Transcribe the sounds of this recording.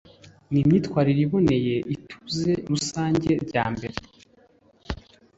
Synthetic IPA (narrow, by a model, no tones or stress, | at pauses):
nimɲiːtkwaːɾiɾiβone̞je̞ʔitʰu̥ze̞ɾusaːɲɟe̞ɾɟa̰ːmbe̞ɾe